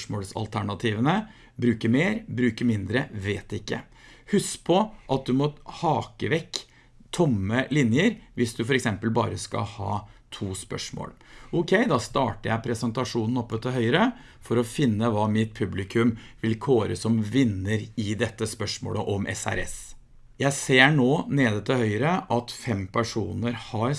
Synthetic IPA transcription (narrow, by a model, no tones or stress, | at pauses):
ʂmoːlsɑ̰lt̪ʰæɳɑt̪ʰiːʋənə | bɾʉːkəɾmeːɾbɾʉːkəɾmɪnd̪ɾəʋeːt̪ɪkːə̰ | hʉspʰɔʔɑt̪̚d̪ʉmɔhɑːkəʋɛkː | t̪ʰʊmːəlɪnjəɾʋɪsd̪ʉfɔɾɛksɛmpəlbɑ̰ːɾəskɑ̰hɑ̰ːt̪ʰuːspœʂmo̰ːlʔʊkʰɛɪd̪ɑst̪ɑːʈəɾjæɪpʰɾɛsənt̪ɑʂuːnn̩ɔpːət̪ɪɦœʏɾə | fɔɾɔfɪnːəʋɑːmɪt̪̚pʰʉblɪkʰʉmʋɪlkʰoːɾə̰sɔmʋɪnːəɾɪd̪ɛt̪ːəspœʂmo̰ːləʔɔmʔɛ̰sæ̰ɾɛ̰s | jæɪseːɳoːneːd̪ət̪ʰɪlhœʏɾəʔɑt̪fɛmpʰæʂuːnəɾhɑɾ